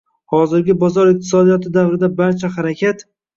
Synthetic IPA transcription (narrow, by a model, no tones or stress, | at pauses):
hɒzɪɾɡʲɪbɒzɒɾɪq̚t̪ʰɪ̥sɒd̪ijɒt̪ʰɪd̪avɾɪd̪abaɾt͡ʃʰaɦaɾakʲʰat̪